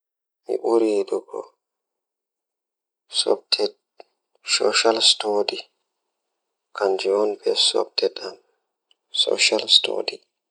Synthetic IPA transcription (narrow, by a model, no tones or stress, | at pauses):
mḭʔuɾiːduɡɔ̰ | sɔ̰b̚tʰɛ | sɔʃalstodi | kʰand͡ʒiɔnbɛsɔ̰btʰɛtam | sɔ̰ʃalsto̰di